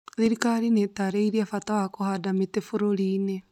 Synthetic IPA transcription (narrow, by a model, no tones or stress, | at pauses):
ðiɾikaɾinetaɾeiɾiafatawakohadametefoɾoɾiːne